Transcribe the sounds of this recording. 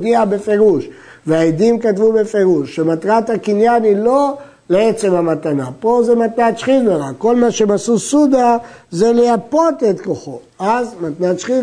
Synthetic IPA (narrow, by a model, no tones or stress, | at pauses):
diabe̞fe̞ʁuʃ | veaid̪imkatvube̞feʁuʃːemat̪ʁat̪hakinjanilo̞ | leet͡se̞mhamat̪anapo̞zemat̪natʃχilnoʁako̞lmaʃe̞masusud̪aze̞lejapo̞t̪et̪ko̞χo̞ | azmat̪natʃχi